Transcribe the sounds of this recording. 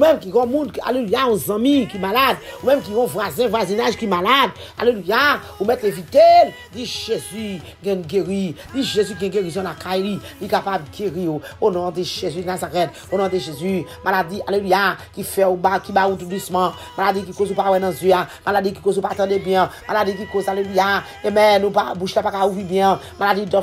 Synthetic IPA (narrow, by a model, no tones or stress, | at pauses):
umɛ̃mk̬iʁɔ̃mũd̪ka̰lelujaɔ̃zãmĩkimalad̪umɛ̃mk̬iɣɔ̃vwazɛ̃vwazinaʒkimalad | a̰leluja | umɛt̪levit̪ɛz | diʒezy | ɡɛ̃nũɡeʁidiʒezyɡɛ̃ɡeʁizɔ̃lakajlilikapab̚ɡeʁioonɔ̃deʒezynazaʁɛt̚ | onɔ̃deʒezymaladialelujakifɛubakibaut̪ud̪usmã | maladik̬ikozupawɛnãzjøamʔaladik̬i̥kozupatɑ̃debjɛ̃mʔaladik̬ikozaleluja | emɛ̃nũpabuʃlapakauvibjɛ̃ | maladidɔ